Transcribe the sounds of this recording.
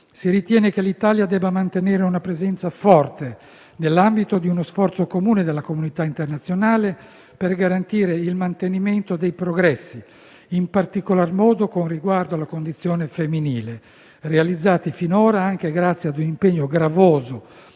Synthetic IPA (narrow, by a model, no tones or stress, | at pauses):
siɾit̪jɛːnek̟elit̪aːljad̪ɛːbːamant̪eneːɾeunapɾezɛnt̪safɔrt̪e | nelːambit̪od̪iunosfɔrt̪sokomuːned̪elːakomunit̪aint̪ernat̪sːjonaːle | perɡaɾant̪iːɾeilmant̪eniment̪od̪ejpɾoɡɾɛsːi | impart̪ikolarmɔːd̪okonriɡward̪oalːakond̪it̪sːjɔːnefemːiniːle | realid̪zːaːt̪ifinoːɾaaŋk̟eɡɾat̪sjad̪unimpeɲːoɡɾavoːzo